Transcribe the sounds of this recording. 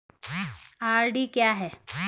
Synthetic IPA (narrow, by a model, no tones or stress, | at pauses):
aɾɖiːkjaɦɛ